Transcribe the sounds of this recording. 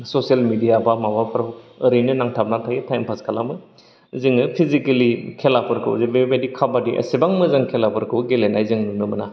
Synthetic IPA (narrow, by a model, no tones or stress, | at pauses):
sosialmidijabamabapʰɾaəɾinɯnaŋtʰap̚natʰaɡitʰajmpʰaskʰalamɯ | zɯŋɯpʰizikelikʰelapʰɯɾkʰɯ̰wzibebedikʰabadiʔɐ̰sibaŋmɯzaŋkʰelapʰɯɾkʰɯwɡelenajzɯŋnunɯmɯna